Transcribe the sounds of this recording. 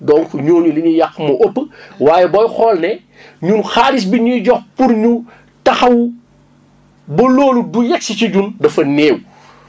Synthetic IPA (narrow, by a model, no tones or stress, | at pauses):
dɔŋkɲoːɲuliɲujɐkːmɐʔopːwaːjɛbɔjxɔːlnɛ | ɲunxaːɾis̬biɲujɟɔxpuɾɲu | tɐxɐwu | bɐloːludujɛk̚sit͡ʃiɟundɐfɐneːw